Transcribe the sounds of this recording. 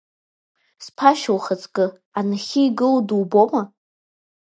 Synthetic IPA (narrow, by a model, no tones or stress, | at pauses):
spʰaʃawχat͡sʰʼɡʼɨ | anaχʲiiɡɨlduwboma